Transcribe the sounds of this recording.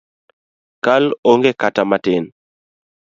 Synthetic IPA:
kaloŋɡekatamatɪn

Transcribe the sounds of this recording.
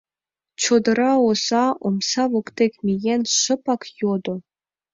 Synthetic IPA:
t͡ɕod̪ɤ̆ɾɑosɑomsɑvokt̪ʲekʲmʲijenʲʂɤ̆pɑkjod̪ŏ

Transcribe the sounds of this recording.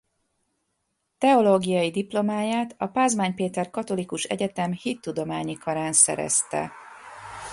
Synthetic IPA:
t̪ɛo̞loːɡijɒjid̪iplo̞maːjaːt̪ɒpaːzmaːɲpeːt̪ɛrkɒt̪o̞likuʃɛ̰ɟɛt̪ɛmhit̪ːud̪o̞maːɲikɒɾaːnsɛ̰ɾɛ̰st̪ɛ̰

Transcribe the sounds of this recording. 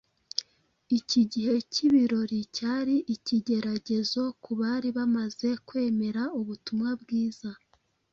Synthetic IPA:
iciɟihe̞ciβiɾo̞ɾicaːɾiʔiciɟe̞ɾaɟe̞zo̞kuβaːɾiβamaze̞kwe̞ːme̞ɾauβutumŋabɡiːz̥a

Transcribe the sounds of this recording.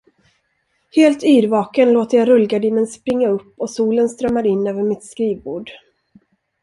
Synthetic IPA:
heːlt̪yːɾvɑːkənloːt̪əjaɾɵlɡaɖiːnənspɾɪŋːaɵpːɔsuːlənst̪ɾœmːaɾɪnːøːvəɾmɪt̪skɾiːvbuːɖ

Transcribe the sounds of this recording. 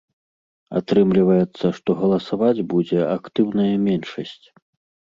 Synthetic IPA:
a̰t̪ɾɨmlʲivɐjɛt̪sːɐʂt̪ɔɣɐlˠɐsavad͡zʲbud͡zʲɛakt̪ɨwnɐjɐmʲɛnʂɐsʲt͡sʲ

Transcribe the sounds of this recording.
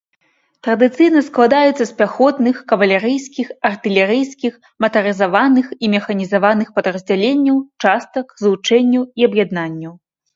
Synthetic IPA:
t̪ɾɐd̪ɨt̪sɨjnɐsklˠad̪ajɛt̪sːɐsʲpʲaxɔt̪nɨxkɐvɐlʲɛɾɨjskʲixɐrt̪ɨlʲɛɾɨjskʲix | mɐt̪ɐɾɨzavanɨximʲɛxɐnʲizavanɨxpɐd̪ɾɐzʲd͡zʲalʲenʲːɐwt͡ʂast̪ɐkzlut͡ʂɛnʲːɐwiɐbjad̪nanʲːɐw

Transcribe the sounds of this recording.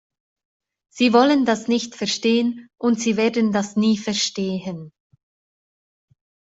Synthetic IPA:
z̥iːvɔləndasnɪçtfɛɐʃteːənʔʊntz̥iːveːɐdən̩dasniːfɛɐʃteːɦən

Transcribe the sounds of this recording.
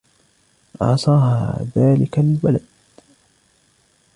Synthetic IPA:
ʔɑ̰sˤɑːɦaðaːlɪkalbalad̪̚

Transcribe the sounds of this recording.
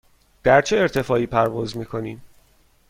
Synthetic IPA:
d̪̥æɾt͡ʃʰeeɾt̪ʰe̞fɒːiːpʰæɾvɒːzmiːkʰo̞niːm

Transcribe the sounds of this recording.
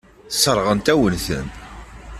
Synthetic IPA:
θsəɾˤʁənt̪æwənθə̰n

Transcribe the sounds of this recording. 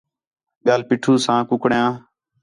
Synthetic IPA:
ɓɪjaːlpiːʈʰuːsãːkʊkɽjãː

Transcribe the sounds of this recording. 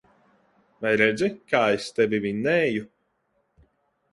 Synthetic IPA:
vajɾɛd̪zʲɛkaːest̪ɛvʲivinɛːju

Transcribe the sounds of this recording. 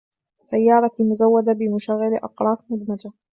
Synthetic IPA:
sajːɑːɾˤɑmʊzawːad̪abɪmʊʃaɣːɪlʔɑ̰qɾˤɑːsˤmʊd̪mad͡ʒa

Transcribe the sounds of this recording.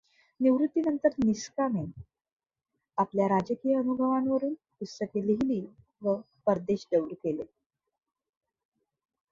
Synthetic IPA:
niʋɾut̪ːinənt̪əɾniskame | apljaɾad͡ʑəkijəənubʱəʋanʋəɾuːn | pusːəkeliɦliː | ʋə | pəɾd̪eɕɖ̪əwɾkele

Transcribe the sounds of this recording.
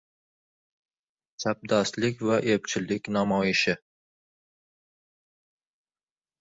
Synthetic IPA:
sap̚d̪ɒst̪lɪkʲvaʔep̚t͡ʃʰɪlːɪkʲnamɒjɪʃɪ

